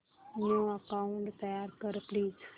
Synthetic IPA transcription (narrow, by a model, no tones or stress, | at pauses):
nũəkauɳʈt̪əjaɾkəɾpliːz